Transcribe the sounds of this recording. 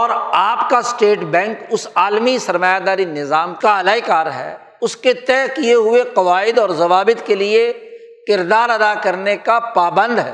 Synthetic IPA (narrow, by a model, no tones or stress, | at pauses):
ɔːɾaːpkasʈeːʈbɛ̃ːŋkʊsaːlmisɐɾmaːjad̪aːɾinɪzaːmkaɐlaːikaːɾɦɛ̰ː | ʊsket̪ɛːkieɦʊeqɐʋaːɪd̪ɔːɾzɐʋaːbɪt̪kelie | kɪɾd̪aːɾɐd̪akɐɾnekapaːbə̃nd̪ɦɛ̰ː